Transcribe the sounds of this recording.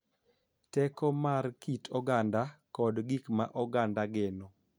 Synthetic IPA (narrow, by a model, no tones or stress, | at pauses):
tɛkɔmaɾkitʰɔɡandakɔdɡikmaʔɔɡandaɡenɔ